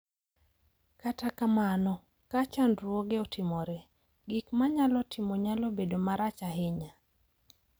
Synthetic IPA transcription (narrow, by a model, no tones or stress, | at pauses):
katakamanɔ | kat͡ʃandɾwɔɡeotʰɪmoɾɛ | ɡikmaɲalɔtʰɪmoɲalɔbedomaɾat͡ʃaɦɪɲa